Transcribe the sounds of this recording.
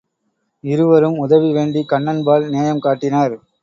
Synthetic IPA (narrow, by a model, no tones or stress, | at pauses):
ɪɾɯʋɐɾɯmʊðɐʋiʋeːɳɖikɐɳːɐnbaːlneːjɐmkaːʈːɪnaːɾ